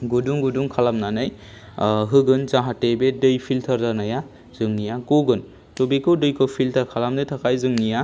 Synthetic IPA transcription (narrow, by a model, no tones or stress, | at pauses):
ɡuduŋɡuduŋkʰalamnanɯj | ɦɯɡɯnzaɦatebedɯjpʰiltʰɐɾzanaja | z̥ɯŋnijakoɡɯn | tobikɯwdɯjkʰɯwpʰiltʰaɾkʰalamnɯjtʰakʰajzɯŋnija